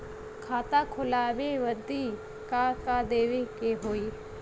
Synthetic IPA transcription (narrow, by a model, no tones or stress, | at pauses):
kʰaːt̪akʰʊlaːʋeʋəd̪i | kakad̪eːʋekeɦoːiː